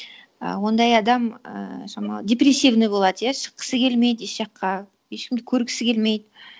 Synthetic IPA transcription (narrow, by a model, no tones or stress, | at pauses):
ə̰wo̞nd̪ɑjɑd̪ɑmə̰ʒɑmɑ̰dʲe̞prʲesʲːivnəjbo̞lˠɑd̪əjaʃə̥qːə̥səkʲʰe̞lmejd̪eʃʒ̥ɑqʰːɑ | jeʃkʲɪmd̪ɪkʲʰɵɾkʲʰɪ̥sɪkʲe̞lme̞jd̪ɪ